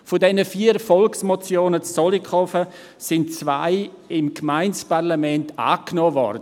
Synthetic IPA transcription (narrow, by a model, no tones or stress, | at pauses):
fʊdɛnəfiːəɾfɔlksmɔt͡sjoːnət͡sːɔlikʰɔfə | sɪnt͡sva̰ɪ | ɪmkʰmaɪnt͡sparlamɛnta̰ːknoːvɔ̰ɾdə